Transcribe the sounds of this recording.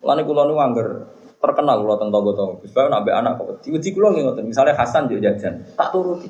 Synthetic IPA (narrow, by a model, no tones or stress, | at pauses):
la̰nikulɔnuŋaŋɡər | t̪ərkənalkulɔt̪ənt̪ɔbɔt̪ɔsu̥pajanabeʔa̰naʔkɔwəd̪iwəd̪ikulɔŋɡiŋɔt̪ənmisalɲahasand͡ʒd͡ʒḁd͡ʒ̥ant̪aʔt̪uɾut̪i